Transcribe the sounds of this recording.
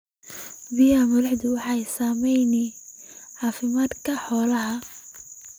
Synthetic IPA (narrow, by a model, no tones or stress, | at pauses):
bɪjamɐðɐħd̪ʊwɑħɑjsaːmɛjnɛ | ʕɑːfɪmaːd̪kʰɐħɔːlɐɦɐ